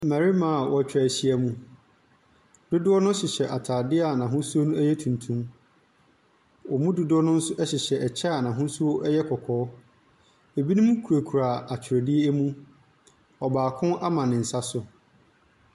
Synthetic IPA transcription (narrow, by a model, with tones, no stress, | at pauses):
mæ˨ɾi˦mã˦˨wʔɔ˦˨t͡ɕᶣa˨ɕi˦æ˦mũ˦ | d̥ʊ˦dʊ˦ɔ˦nʊ̃˦ɕɪ˨ɕɛ˨ʔa˨tʰaː˨dɪ˦a˨nã˨ɦʊ̃˦su˦o˦nũ˦æ˦jɛ˦tʰũ˨ntʰũ˦m | wɔ˨mʊ̃˦dʊ˦dʊ˦ɔ˦nʊ̃˦n̩˦sʊ˦ʔɛ˦ɕɪ˨ɕɛ˨ɛ˨t͡ɕʰa˦˨nã˨ɦʊ̃˦su˦o˦ʔɛ˦jɛ˦kʰɔ˨kʰɔː˨˦ | e˨bi˦nũ˦mũ˦kʰu˨ɾa˨kʰu˨ɾa˨a˨t͡ɕʰᶣɪ˨ɾɛ˨dɪ˦ɛ˦ɛ˦mũ˦ | ɔ˨baː˨kʰʊ̃˦nʔa˦mã˨nɪ̃˨n̩˨sa˦sʊ˨